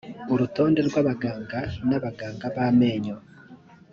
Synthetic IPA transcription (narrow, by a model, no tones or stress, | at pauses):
uɾuto̞ːnde̞ɾɡwaːβaɡaːŋɡanaβaɡaːŋɡaβaːme̞ːɲo